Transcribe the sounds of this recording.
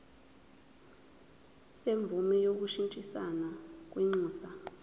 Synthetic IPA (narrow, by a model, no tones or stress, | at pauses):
seɱb̪vʱumɛjok̬uʃintʼisa̰nak̬wiŋ͡ǀuːsa